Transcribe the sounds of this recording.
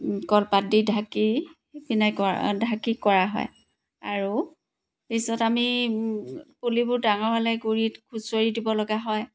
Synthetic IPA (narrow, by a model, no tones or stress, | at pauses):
kɔlpadidʱaki | binajkɔdʱakikɔɹaɦɔ̰j | aɹu | pisɔtami | pulibʊɹdaŋɔɹbalɛɡuɹitkʰusoɹidibɔlɔɡaɦɔj